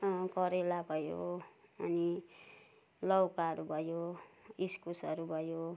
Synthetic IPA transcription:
kʌɾelabʱʌjo̰ʌni | lʌwkaʌɾubʱʌjoiskusʌɾubʱʌjo

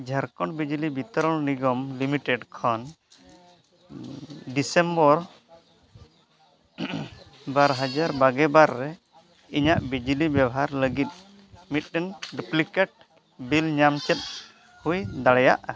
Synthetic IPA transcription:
d͡ʒʱəɾkɔɳbid͡ʒilibit̪ɔɾɔɭniɡɔmlimiʈɛɖkʰɔn | ɖisɛmbɔɾ | baɾɦad͡ʒaɾbaɡɛbaɾːɛ | iɲaʔbid͡ʒlibjabɔɦaɾləɡit̪̚ | mit̪̚ˀɾɛnɖuplikɛʈ̚ | bilɲamt͡ʃɛt̪̚ | hujd̪aɽɛja̰ʔa

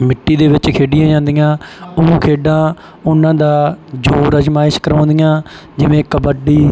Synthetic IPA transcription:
mɪʈːiːd̪eːʋɪt͡ʃkʰeːɖɪjãːd͡ʒãːnd̪ɪjãːõːkʰeːɖãː | ʊnãːd̪aːd͡ʒoːɾəd͡ʒmaːɪʃkəɾãːnd̪ɪjãː | d͡ʒɪʋẽːkəbəɖiː

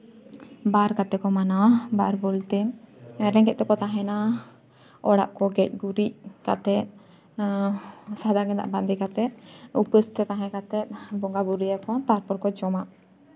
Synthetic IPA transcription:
baɾkat̪ɛkɔmanabaɾbɔlt̪ɛɾɛ̃kɛʔ̪̚t̪ɛkɔt̪aɦɛ̃na | ɔɽa̰ʔkɔɡɛc̚ˀɡuɾiʔka̰t̪ɛt̪̚ | sad̪aɡɛnd̪a̰ʔband̪ikat̪ɛt̪̚ˀupəst̪ɛt̪ãɦɛ̃kat̪ɛt̪̚ˀbɔŋɡabuɾijakɔp̪aɾpɔɾkɔd͡ʒɔmaʔ

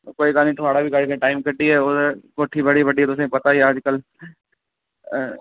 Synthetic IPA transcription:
koːikaːnĩʈɾaːɽabʱikaːɽikẽʈaːɪmkɐɖiɦɛːoːd̪koːʈʰibɐɽibəɖiɛt̪oʊs̬ẽpɐt̪aiaːd͡ʒkəl

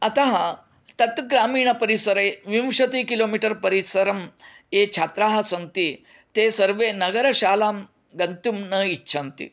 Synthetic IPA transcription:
ɐt̪aɦɐ | t̪ɐt̪ɡɾaːmiːɳɐpɐɾisɐɾeʋimʂɐt̪ikiloːmiʈɐɾpɐɾisɐɾɐmtet͡ʃʰat̪ɾaːɦɐsɐŋt̪iː | t̪eːsɐɾʋenɐɡɐɾɐɕaːlaːm | ɡɐnt̪umnɐitːɕʰɐnt̪ḭ

